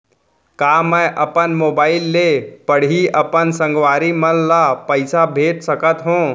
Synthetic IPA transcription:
kaːmɛ̃ʔəpənmoːbaːɪlːepəɽ̤ɦiəpənsə̃ŋɡʋaːɾimənlapəɪsabʱeːʈsəkət̪ɦũː

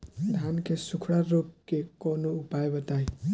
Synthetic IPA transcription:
d̪ʱankesukʰɽaɾop̚kekɔnoupaebʌt̪aj̃

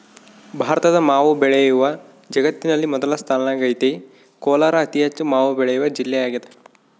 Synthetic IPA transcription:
bʱaːɾɐt̪ɐd̪ɐmaːʋubɛɭejuʋɐ | d͡ʒɐɡɐt̪ːinɐlːimɔd̪ɐlɐst̪ʰaːlɐnɐɡɐjt̪e | koːlaːɾɐːt̪iɦɐt͡ʃːumaːʋubɛɭejuʋɐd͡ʒilːɛjaːɡid̪e

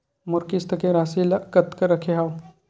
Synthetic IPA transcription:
mʊɾkist̪ɐkẽɾaːsilakɐt̪kəɾɐkʰeɦaw

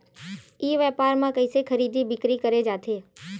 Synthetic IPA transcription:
iːʋɛːpaːɾmãkəɪsekʰəɾiːd̪ʱibɪkɾikəɾed͡ʒaːt̪ʰeː

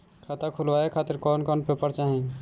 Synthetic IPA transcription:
kʰat̪ʰakʰʊlʋaːekʰaːt̪ɪɾkɔːnkɔːnpeːpəɾt͡ʃaːɦẽ

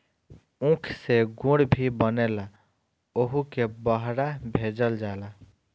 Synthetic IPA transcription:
ũkʰseɡũɽbʱibənela | oɦukebəɦɽabʱed͡ʒəld͡ʒaela

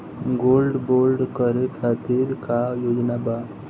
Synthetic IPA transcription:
ɡolɖbolɖkəɾekʰat̪iɾkajod͡ʒnaba

